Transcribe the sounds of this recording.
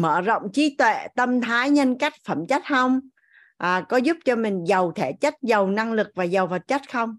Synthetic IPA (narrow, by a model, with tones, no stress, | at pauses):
məː˧˨zə̰˧˨wŋ͡mt͡ɕi˨˦t̪wḛ˧˨t̪ə˧mt̪ʰaː˨˦jɲə˧nka˦˥jk̟̚fə˧˩mt͡ɕa˦˥t̚xə˧wŋ͡m | ʔːkɔ˨˦zʊ˦˥p̚t͡ɕɔ˧mï˨˩ŋ̟zə˨˩wt̪ʰe˧˩t͡ɕə˦˥t̚zə˨˩wna˧ŋlɨ˨˩k̚vaː˨˩zə˨˩wfə˨˩t̚t͡ɕə˦˥t̚xə˧wŋ͡m